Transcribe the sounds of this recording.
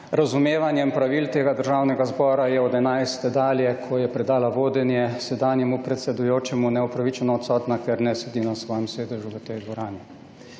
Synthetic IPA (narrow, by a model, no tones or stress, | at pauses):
ɾazumeːʋanjɛmpɾaʋilt̪eːɡad̪əɾʒaːwnɛɡazbɔːɾajɛɔd̪ɛnajst̪ɛd̪aːljɛkʰɔjɛpɾɛd̪aːlaʋoːd̪ɛnjɛsɛd̪aːnjɛmupɾɛt̪sɛd̪ujoːt͡ʃɛmunɛɔpɾaʋit͡ʃɛnɔːt̪sɔːt̪nakɛɾnɛsɛd̪iːnasʋɔːjɛmsʋeːd̪ɛʒuʋət̪ɛjd̪ʋɔɾaːni